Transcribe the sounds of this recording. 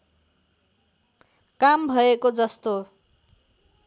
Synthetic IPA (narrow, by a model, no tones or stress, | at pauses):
kambʱʌekod͡zʌst̪o